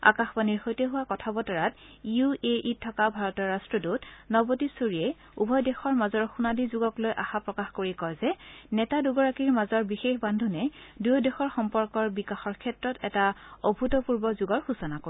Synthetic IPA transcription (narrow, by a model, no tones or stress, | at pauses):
a̰kaxbaniɹxojtɛɦʊwakɔtʰabɔtaɹatiueʔitʰːɔkabʱaɹɔtɔɹastɹɔdutnɔbotisuɹiɛ | ubʱɔjdɛxɔɹmazɔɹxunadizuɡɔklojʔaxapɹɔkaxkoɹikɔjzɛnɛtaduɡɔɹakiɹmazɔɹbixexbandʱunɛdujɔdɛxɔɹxɔmpɔɹkɔɹbikaxɔɹkʰɛtɹɔtɛtaɔbʱutɔpuɹbɔzuɡɔɹxusɔnako